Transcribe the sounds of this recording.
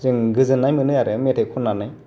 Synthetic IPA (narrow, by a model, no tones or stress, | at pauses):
zɯŋɡɯzɯnːajmɯnɯjaɾɯmetʰekʰɔnːanaj